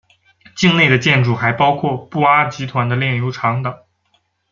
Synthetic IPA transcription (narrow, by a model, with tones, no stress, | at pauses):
t͡ɕi˥˧ŋne˥˩ɪd̪ə˩t͡ɕjɛ˥˧nʈ͡ʂu˥˩xa˧˥ɪpɑ˥ʊkʰwɔ˥˧pu˥˩a˥t͡ɕi˧˥t̪ʰwa˧˥nd̪ə˧ljɛ˥˩njo˧˥ʊʈ͡ʂʰɑ˧˥ŋt̪ɤ˨˩˦